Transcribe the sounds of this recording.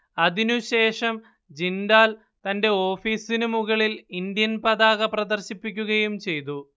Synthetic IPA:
ɐðinuɕe̞ːʂɐm | d͡ʑind̪aːl | t̪ɐnde̞o̞ːfiːsinumuɣɐɭilind̪jɐnpɐðaːɣɐprɐd̪ɐrɕipːikʲːuɣɐjumt͡ɕe̞jt̪̬u

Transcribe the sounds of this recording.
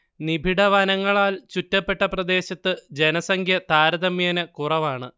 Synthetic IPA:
nibʱiɽɐʋɐnɐŋːɐɭaːlt͡ɕutːɐpːe̞ʈːɐprɐd̪e̞ːɕɐt̪ːɨd͡ʑenɐsɐŋkʰjɐt̪aːɾɐðɐmjɐːnɨkurɐʋaːɳɨ

